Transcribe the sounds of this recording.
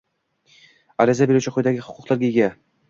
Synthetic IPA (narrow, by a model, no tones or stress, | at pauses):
aɾɪzabeɾuwt͡ʃʰɪqʰʊjd̪aɡʲɪhʊ̥qʰʊ̥qlˠaɾɡʲajɡʲa